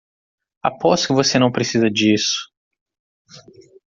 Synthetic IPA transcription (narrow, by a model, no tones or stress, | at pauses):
a̰pɔskɪvosenɐ̃w̃pɾesizɐd͡ʒisʊ̥